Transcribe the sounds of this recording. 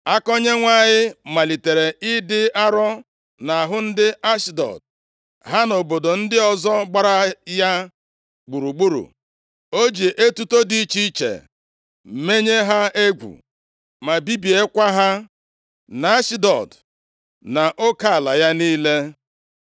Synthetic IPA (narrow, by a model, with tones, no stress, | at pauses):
a˦kɔ˦ɲe˦ŋʷa˦ɲɪ˦ma˨li˨te˨ɾe˨ɪ˦dɪ˦a˦ɾɔ˦ | na˨a˨ɦʊ˦n̩˦dɪ˦a˦ʃdɔ̰˨d̚ | ɦa˦no˨bo˨do˨n̩˦dɪ˦ɔ˦zɔ˦ɡ͡ba˦ɾa˦ja˦ | ɡ͡bu˨ɾu˨ɡ͡bu˦ɾṵ˨ | o˦d͡ʒe˨ʔe˦tu˦to˦di˦t͡ʃi˦t͡ʃḛ˨ | me˦ɲe˦ɦa˦e˦ɡʷṵ˨ | ma˨bi˦bi˨e˦kʷa˦ɦa˦ | na˨a˦ʃdɔ̰˨d | na˨ʔo˦ka˦˨a˨la˨ja˦niː˦le˦